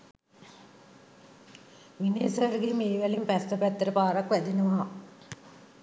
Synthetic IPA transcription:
ʋineːsɐɾəɡemeːʋælimpæst̪əpæt̪ːəɾəpaːɾakʋæd̪inəʋaː

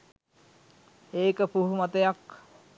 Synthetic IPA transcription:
eːkəpuɦumat̪əjak

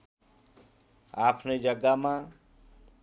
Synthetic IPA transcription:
aːpʰnid͡ʒəɡamã

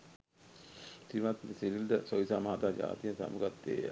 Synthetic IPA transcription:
simat̪mesiɾild̪əsoisamaːd̪aːd͡ʒa̰ːt̪ijənsa̰muɡat̪ːḛːj̰

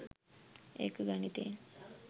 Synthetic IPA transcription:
ḛkɡanit̪eːn

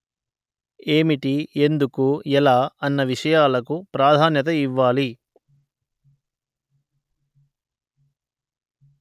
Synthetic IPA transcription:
e̞ːmiʈie̞nd̪ukuɛlaːɐnːɐʋiʂɐjaːlɐkupɾaːd̪ʱaːnjɐt̪̬ɐiʋːaːli

